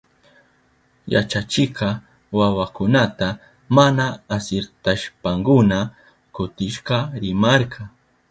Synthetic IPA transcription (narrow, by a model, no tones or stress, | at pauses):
ja̰t͡ʃat͡ʃɪqɑ | wawakʊnat̪a | manaːsɪɾt̪aʃpaŋkʊna | kʊt̪ɪʃqɑɾɪmɑɾkʰɑ